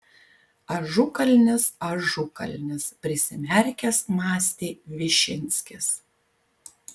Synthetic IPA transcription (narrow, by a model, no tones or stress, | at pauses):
ɐʒʊkɐlʲnʲɪsɐʒʊkɐ̰lʲnʲɪspʲɾʲɪsʲɪmʲɛɾʲkʲɛsmɑːsʲt̪ʲeːʋʲɪʃʲɪnʲsʲkʲɪs